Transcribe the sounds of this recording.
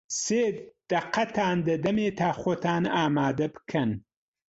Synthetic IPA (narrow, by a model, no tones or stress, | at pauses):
seːd̪̥ɐqːɐt̪ʰaːnd̪əd̪ɐmeːt̪ʰaːxot̪aːnaːmaːd̪ɐbkʰɐn